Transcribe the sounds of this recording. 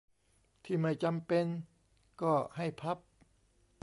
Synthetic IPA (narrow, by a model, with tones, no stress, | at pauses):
t̪ʰiː˥˩ma˥˩jt͡ɕa˧mpe˧n | kɔː˥˩ha˥˩jpʰa˦˥p̚